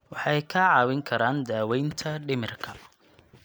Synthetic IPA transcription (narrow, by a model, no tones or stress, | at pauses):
wɑħɛjkʰɐʕɑːwɪŋkʰɐɾaːnd̪aːwɛjnt̪ʰɐɖɪmɪrkʰɐ